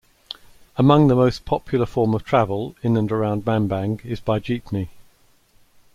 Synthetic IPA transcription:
əmʌ̃ŋðəməʊspʰɒpʰjl̩ˠəfɔːməv̥tʰɹ̥avəlˠɪ̃nə̃nəɹãʊ̃nd̚mãnbãŋɡɪzbaɪd͡ʒiˑpmi

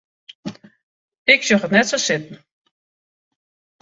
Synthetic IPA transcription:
ɪksjoxətnɛtsosɪtn̩

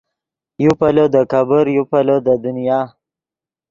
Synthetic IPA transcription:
jupalod̪əkabəɾjupalod̪əd̪ʊnijɑː

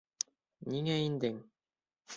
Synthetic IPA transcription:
nʲiŋæind̪ɘŋ

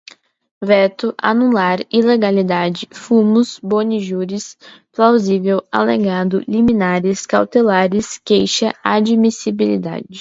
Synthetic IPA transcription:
vɛt̪ʊʔa̰nulaɾileɡalid̪ad͡ʒɪfumʊsboniʒuɾisplawzivewa̰lḛɡad̪ʊlimĩnaɾɪskawt̪elaɾɪskejʃɐad͡ʒmisibilḭd̪a̰d͡ʒɪ

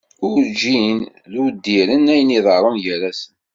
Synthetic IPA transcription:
ʊɾd͡ʒin | ðud̪ːiɾənæjəniðˤəɾˤənʝæɾæsən

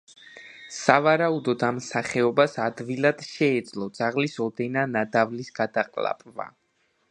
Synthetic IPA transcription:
savaɾaud̪ɔd̪amsaχɛɔbasad̪vilˠad̪̥ʃɛːd̪zlˠɔd̪z̥aʁlisɔd̪ɛnanad̪avlisɡ̥ad̪aqʼlˠa̰pʼva̰

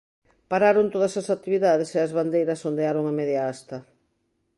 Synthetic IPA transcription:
paɾaɾont̪oðɐsɐsat̪iβiðaðeseɐzβand̪ejɾɐsond̪eaɾoŋɐmeðjaast̪ɐ

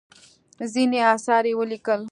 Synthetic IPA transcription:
zineɑːsɑɾewəlikəl

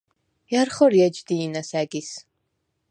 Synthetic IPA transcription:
jarχɔɾjɛd͡ʒd̪iːnɐsæːɡis

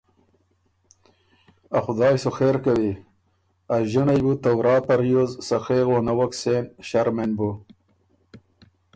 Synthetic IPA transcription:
axʊd̪ɑːjsoxeːɾkawi | aʒiɳajbut̪awɾɑːt̪aɾjozsaxeːɣonawɐksenɕaɾmenbu

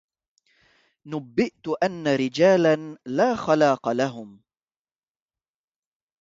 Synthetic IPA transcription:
nʊbːɪʔt̪ʊʔanːaɾɪd͡ʒaːlanlaːxalɑːqɑlaɦʊm

